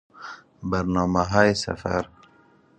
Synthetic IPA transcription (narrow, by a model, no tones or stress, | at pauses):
baɾnɑːmaɦɑːjesɐ̰fa̰ɾ